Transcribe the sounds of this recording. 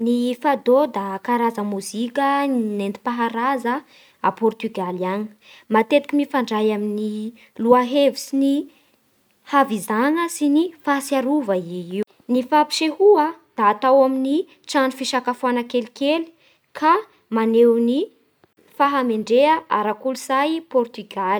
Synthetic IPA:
nifad̪od̪akaɾazəmuzikʲənent̪i̥paɦaɾazə | a̰pɔrt̪yɡalani̥mat̪et̪i̥kʲimifaɳɖ͡ʐajamini | luaɦevisini | havizanəsinifasiaɾuvəii | nifapi̥ʃehuad̪̥aːt̪awamini | ʈ͡ʂanufiʃakafuanakelikeli̥ | kʰa | manewni | faɦameɳɖ͡ʐeəʔaɾakuliz̥ajpɔrt̪yɡali̥

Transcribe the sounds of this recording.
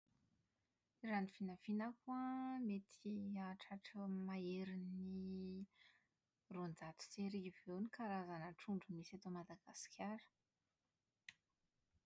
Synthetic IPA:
iranifinafinakuamet̪ʰiaʈ͡ʂaʈ͡ʂəmaeɾini | rond͡z̪at̪u̥seɾivewnikaɾazanəʈ͡ʂuɳɖ͡ʐumisat̪omad̪aɡ̥asi̥kʰʲaɾə̥

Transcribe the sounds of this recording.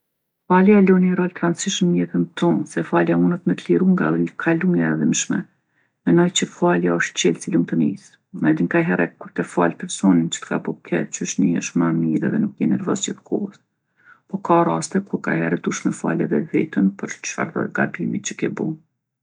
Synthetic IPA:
faljalɔniɛɾalt̪ɾant͡siʃəmɲɛt̪ənt̪ɔnsɛfaljaunət̪mət̪liɾuŋɡalkʰaluŋjaɛðimʃmɛ̰ | mɛnɔjt͡ɕəfaljaɔʃt̪̚t͡ɕɛlt͡silumt̪əmḭs | mɛd̪iŋkaɦɛɾɛkuɾt̪ɛfalpɛɾsɔnint͡ʃə̥t̪ka̰bukʰɛ̰t͡ʃəʃniə̰ʃmamiɾɛðɛnukjɛnɛɾvɔsɛt̪ə̥kʰɔəs | pɔkarast̪ɛkuɾka̰hɛɾɛd̪uʃmɛfa̰lɛðɛzit̪ənpəɾt͡ʃfa̰ɾðɔ̰ɾɡa̰bimit͡ʃəkɛbu

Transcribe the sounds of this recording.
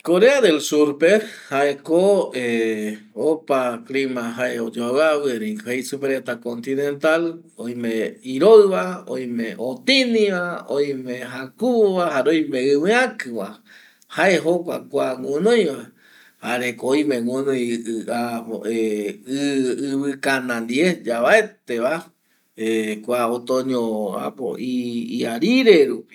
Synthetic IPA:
koɾeaðelsuɾpehaʔekoe | opaklimãɦaeod͡ʒowaβɨeɾĩkhejsupeɾet̪akont̪inẽnt̪al | ojmẽiɾoɨβao̰jmẽʔot̪inĩβaoj̃mẽɦakuβahaɾojmẽɨwĩakɨβa | haeɦokʷa̰kʷaŋũnõj̃βa | haɾekoj̃mẽŋũnõjaeɨɨβɨkanãnd̪iesd͡ʒaβaet̪eβa | ekʷaot̪õɲõa̰po̰iiaɾiɾeɾupi̥

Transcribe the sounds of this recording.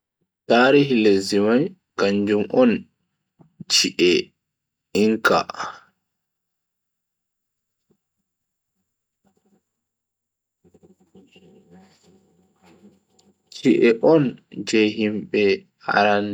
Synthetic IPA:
taːɾihilezimaj | kaɲd͡ʒumʔɔn | t͡ʃiʔɛ | iŋka̰ | t͡ʃiʔɛʔɔnd͡ʒejɦimɓɛ | a̰ɾan

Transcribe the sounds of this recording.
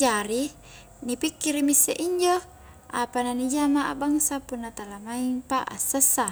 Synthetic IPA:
d͡ʒaɾi | nipikːiɾimisːeʔiɲd͡ʒo | ʔapananid͡ʒamaʔabaŋsapunːat̪alamaiŋpaʔa̰sːəsːa

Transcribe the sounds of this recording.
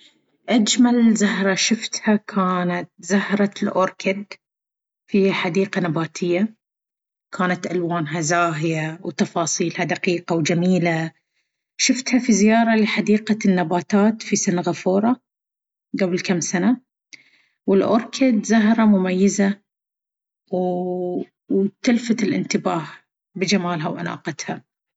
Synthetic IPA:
ʔad͡ʒmalzahɾˤɑʃɪft̪hakʰaːnat̪̚zahɾˤɑlʔoːɾkɪd̪ | fiħad̪iːqanabaːt̪ʰɪjːa | kʰaːnat̪ʔalwaːnɦazaːɦɪjawt̪ɑfɑːsˤiːlhad̪aqiːqawd͡ʒamiːla | ʃɪft̪hafizɪjɑːɾˤɑlɪħad̪iːqanːabaːt̪aːt̪fisɪnɣafuːɾˤɑ | ɡablkamːsana | wɪlʔʊ̰ɾˤkʰɪd̪zaɦɾˤɑmʊmajːɪza | w | t̪ɪlfat̪ɪlʔɪ̰nt̪ɪbaːh | bɪd͡ʒamaːlɦawʔana̰ːqɑt̪ha

